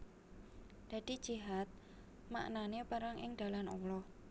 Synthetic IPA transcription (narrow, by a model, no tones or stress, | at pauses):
d̪̥ä̤d̪̥i̤̥d͡ʒ̥iɦat̪̚ | ma̰ʔnanepəɾaŋʔɪ̰ŋd̥̪a̤lanɔlɔ